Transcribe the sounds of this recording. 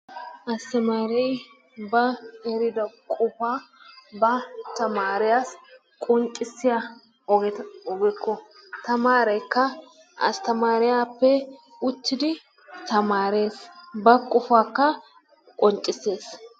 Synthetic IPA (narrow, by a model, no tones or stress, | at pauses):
ʔɐst̪ɐmaːɾɛj | bɐɛɾɪd̪ɐkʼʊfaːbɐt̪ɐmaːɾɪjaːs | kʼʊŋt͡ʃʼɪsːɪja | ɔɡɛt̪ɔɡɛkːɔt̪ɐmaːɾɐjkːɐ | ʔɐ̰st̪ɐmaːɾɪjaːpːɛ | ʊt̪ːɪd̪ɪ | t̪ɐmaːɾeːsbɐkʼʊfaːkːɐ | kʼɔnt͡ʃʼːɪsːe̞ːs